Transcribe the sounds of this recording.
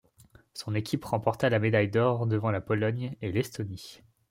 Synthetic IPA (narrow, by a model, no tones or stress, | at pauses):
sɔ̃nekʲipʁɑ̃pɔʁt̪alamed̪ajd̪ɔʁd̪əvɑ̃lapɔlɔɲelɛst̪ɔni